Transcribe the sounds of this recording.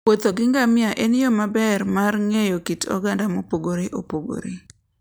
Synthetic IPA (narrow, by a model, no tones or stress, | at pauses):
ot̪oɡɪŋɡamɪaʔenjomabɛrmarŋejokitɔ̰ɡandamopoɡoɾeʔopoɡo̰ɾe